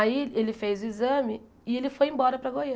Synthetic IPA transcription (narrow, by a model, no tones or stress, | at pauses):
aielɪfejzʊizɐ̃mɪ | ɪelɪfojẽbɔɾɐpɾɐɡojɐ̃